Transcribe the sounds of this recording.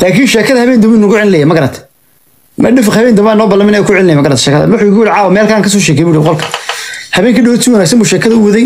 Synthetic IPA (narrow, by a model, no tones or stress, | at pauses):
laːkʰiːnʃɛːkʰɐðɐhɐβɛːnd̪ɔmbuːnʊɣʊʕɪlɪlɛjɛmɐɡɐɾɐt̪ʰ | mɐɖɪfɪχhɐβɛːnd̪ʊmbaːnːɔːbɐlːɐmɪnɛjkʰʊʕɪlɪljɛmɐɡɐɾɐt̪ʰʃɛːkʰɐðɐ̰wʊħʊɪɣʊjɪɽɪʕɑːwɐmɛːlkʰaːŋkʰɐs̬ɔːʃɛːkʰɛjbuːɽibqɔlkʰɐ̥hɐβɛːŋkʰiɖɪwɐt̪ʰiːwɐnaːɡsɐmbuːʃɛːkʰɐðɐʊwɐðɛj